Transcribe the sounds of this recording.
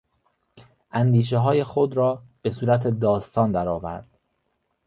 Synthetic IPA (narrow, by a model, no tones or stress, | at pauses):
ʔænd̪iːʃ̬eɦɒːje̞xod̪ɾɒːb̥e̞suːɾæt̪ʰed̪ɒːst̪ʰɒːnd̪æɾɒːvæ̰ɾd̪̥